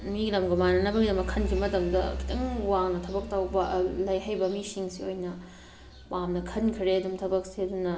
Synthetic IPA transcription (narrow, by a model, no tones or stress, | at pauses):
milɐmɡɐmanɐnɐbɐɡidɐmɐkʰːɐnɡimɐtɐmdɐkʰi̥tɐŋwaŋnɐtʰɐbɐk̚tɐwbɐlɐjɦɐjbɐmisiŋsiojnɐ | pamnɐkʰɐnkʰɾeɐdumtʰɐbɐk̚siɐdunɐ